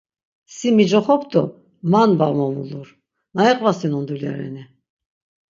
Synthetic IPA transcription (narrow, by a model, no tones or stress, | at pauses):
simid͡ʒɔχɔpʰt̪ɔ | manbamɔmṵluɾ | naɛqʼvasinɔnd̪ulja̰ɾɛ̰ni